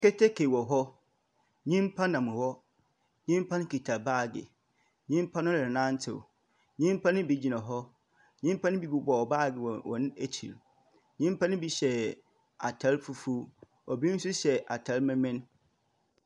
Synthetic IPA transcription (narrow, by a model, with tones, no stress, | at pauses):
kɛ˦tʰe˦kʰe˨wɔ˨ɦɔ˦ | ɲĩ˦m˦pʰã˦nã˨mʊ̃˨hɔ˦ | ɲĩ˦m˦pʰã˦nʊ̃˦ki˨tʰa˨baː˦˨ɡɪ̰˨ | ɲĩ˦m˦pʰã˦nʊ̃˦lɪ˨ɾnã˦n̩˦tʰɪ̰˨ | ɲĩ˦m˦pʰã˦nʊ̃˦bi˨d͡ʑi˨nã˨ɦɔ˦ | ɲĩ˦m˦pʰã˦nʊ̃˦bi˨bi˦bɔ˨ɔ˨baː˦˨ɡɪ˨wɔ˨wɔ̰̃˨nɪ̃˦æ˨t͡ɕʰḭ˨l | ɲĩ˦m˦pʰã˦nʊ̃˦bi˦ɕɛ˨ | a̰˨tʰa˦lfu˨fu˦ | ɔ˨bi˦n̩˦sʊ˦ɕɛ˨ʔa˨tʰa˨˦lmɪ̃˦mɪ̃˦n